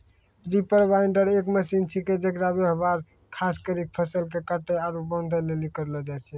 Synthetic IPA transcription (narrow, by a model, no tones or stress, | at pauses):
ɾipəɾbaiɳɖəɾekməsint͡ʃʰiked͡ʒəkɾabeɦəbaɾ | kʰaskəɾik̚pʰəsəlkekaʈɛaɾubənd̪ʱəlelikəɾlɛd͡ʒajt͡ʃʰɛ